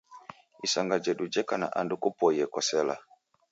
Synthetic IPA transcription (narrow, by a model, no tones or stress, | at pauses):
isaŋɡad͡ʒɛɗud͡ʒɛkana̰ʔandukupɔjɛkɔsɛla̰